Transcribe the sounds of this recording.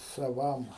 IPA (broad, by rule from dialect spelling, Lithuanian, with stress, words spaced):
sɐˈʋɐm